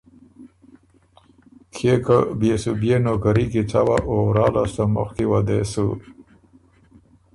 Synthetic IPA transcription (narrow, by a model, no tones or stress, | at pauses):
kʰekəbesubjenokaɾikit͡sawaʔoɾɑːlast̪amʊ̰xkiwad̪esu